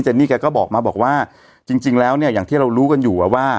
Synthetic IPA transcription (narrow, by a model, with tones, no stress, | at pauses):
t͡ɕɛ˧˨˩niː˥˩kaː˧jkɔː˥˩bɔː˨˩k̚maː˧bɔː˨˩k̚waː˥˩ | t͡ɕi˧ŋt͡ɕi˧ŋlɛː˦˥wni˥˩ɐjaː˨˩ŋt̪ʰiː˥˩ɾa˧wɾuː˦˥ka˧njuː˨˩ʔa˨˩waː˥˩